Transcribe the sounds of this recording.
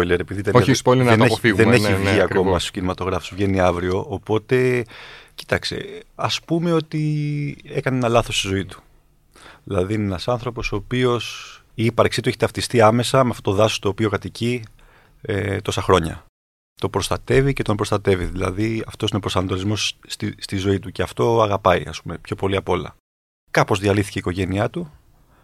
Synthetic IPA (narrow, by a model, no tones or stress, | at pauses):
pojleɾe̞piðiðeospoleenefɣðeneivʝiɐko̞mɐst̪o̥cinimɐt̪o̞ɣɾɐfosvʝe̞niɐvɾio̞ʔːpo̞t̪e̞ci̥t̪ɐkse̞̰ɐspume̞o̞t̪i | e̞kɐneenɐlɐθo̞st̪izo̞it̪u̥ | ðilɐðiine̞nɐsɐnθɾo̞po̞soːpio̞s | iipɐɾksit̪ueçe̥t̪ɐft̪ist̪iɐme̞sɐmeɐft̪ot̪oðɐso̥st̪oːpio̞kɐt̪ici | et̪o̞sɐxɾo̞ɲɐ̰ | t̪opɾo̞st̪ɐt̪e̞vice̞t̪o̞mpɾost̪ɐt̪e̞viðilɐ̰ðiɐft̪o̞sinepɾo̞sɐnɐt̪olizmo̞st̪ist̪izo̞it̪uceɐft̪o̞ɐɣɐpɐiɐ̰spume̞pço̞po̞liɐpo̞lɐ̰ | kɐpo̞zðiɐliθi̥ce̞iko̞ʝe̞niɐt̪u